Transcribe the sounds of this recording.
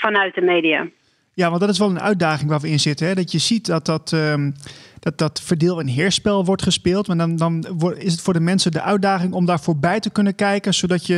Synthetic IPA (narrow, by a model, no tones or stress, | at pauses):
fɔnœɥt̚dəmeːdia̰ | jaʋɑndɔtɪsʋɔlˠənʔœ̰ɥt̚daːɣɪŋʋaːɹʋəɪnzɪtəɦɛdɔtjəzitdɔtɔt | d̥ɔt̚ɔtfəɹdɪːlˠənɦɪːɹspɛlˠʋɔɹtχəspɪːlˠtmaːdɔndɔnɪsətfoːɹdəmɛnsədəʔœɥt̚daːxɪŋɔmdaːɹfoːɹbɛjtəkɵnənkɛjkənsodɔtjə